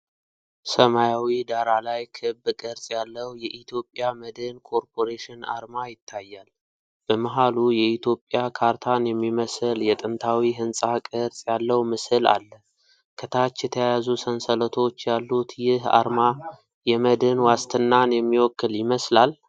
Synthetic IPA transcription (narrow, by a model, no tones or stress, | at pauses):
səmajawid̪aɾalajkʰɨbkʼɨɾsʼjalːəwjɛʔit̪ʰjo̞pʼjaməd̪ɨnkʰo̞ɾpʰo̞ɾeʃɪna̰ɾmajɪt̪ʰːajːal | b̥əmɨɦalujɛʔit̪ʰjo̞pʼjakʰaɾt̪ʰanjɛmːiməsɨljɛt̪ʼɨnt̪ʰawiɦɨnsʼakʼɨɾsʼjalːəwmɨsɨla̰lːə | kʰət̪ʰat͡ʃːjɛt̪ʰəjajazusənsələt̪ʰo̞t͡ʃːjalːut̪jɪha̰ɾma | jɛməd̪ɨnwast̪ʰɨnːanjɛmːiwɔkːɨljɪməslal